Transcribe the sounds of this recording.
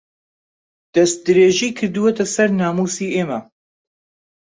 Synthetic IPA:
d̪̥ɐst̪̚d̪ɨɾeːʒiːkʰɨɾd̪ɨwet̪ʰɐsɐɾnaːmuːsiːʔeːmɐ

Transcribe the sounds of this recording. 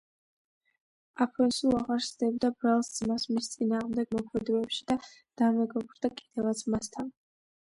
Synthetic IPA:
apʰɔnsulˠaʁaɾsd̪ɛbd̪abɾalˠsd̪zmasmist̪sʼinaːʁmd̪ɛɡmɔkʰmɛd̪ɔɛpʃid̪ad̪̥amɛɡɔbɾd̪akʼid̪̥ɛvat̪sʰmast̪ʰan

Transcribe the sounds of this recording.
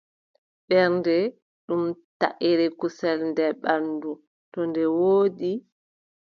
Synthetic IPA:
ɓɛɾndɛ | ɗumtaʔiɾɛkusɛlndɛɓandu | tɔndɛwoːɗi

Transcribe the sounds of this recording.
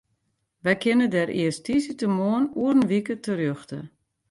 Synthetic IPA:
ʋɛjkʰɪnədɛɾʔɪ̰əstisətəmoːənuərn̩ʋikətʰərjøxtə̰

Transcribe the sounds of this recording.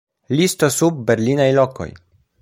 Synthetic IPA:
list̪o̞sub̚ːe̞ɾlinajlo̞ko̞̰j

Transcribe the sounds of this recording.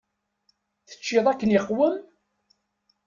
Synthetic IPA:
θə̥t͡ʃːɪðˤækːənjχwəm

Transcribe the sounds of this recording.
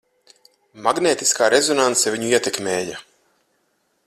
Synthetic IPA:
maɡneːt̪i̥skaːɾʔezɔnant̪sɛvʲiɲuiɛt̪ɛkmʲeːja̰

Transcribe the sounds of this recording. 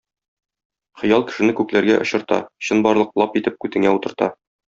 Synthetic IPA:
χɤ̆jɑlˠkɘ̥̆ʃɘ̆nɘkʉklæɾɡæʔŏɕɤ̆ɾt̪ɑ̰ɕɤnbɒɾlˠɤq̚lˠɑpit̪ɘp̚kʉt̪ɘ̆ŋæut̪ɤ̆ɾt̪ɑ

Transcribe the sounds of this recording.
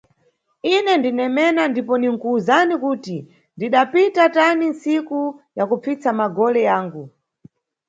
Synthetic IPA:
inɛndinɛmɛnandipɔniŋ̩kuːzanikuːti | ndiɗapitataninsikujakup͡fit͡samaɡɔlɛjaːŋɡu

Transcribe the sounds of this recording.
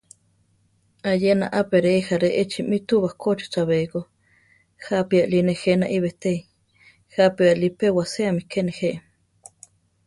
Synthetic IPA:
ajenaʔapeɾeixaɾeʔet͡ʃimit̪uβahkʰot͡ʃi̥t͡saβeiko | hapiaʔlinehenaʔiβet̪ei | hapialipewaseamikʰeneheʔ

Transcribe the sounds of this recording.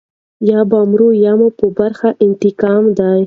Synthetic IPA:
jɑbɑmɾujɑmupəbaɾxaʔɪnt̪ɪkɑmd̪aj

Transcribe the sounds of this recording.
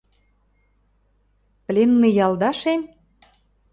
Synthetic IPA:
plʲenːĭjɑld̪ɑʃem

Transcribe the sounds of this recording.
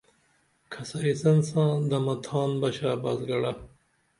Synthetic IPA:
kʰɐsɐɾisɐnsãːd̪ɐmɐt̪ʰɑːnbɐɕaːbazɡɐɽa

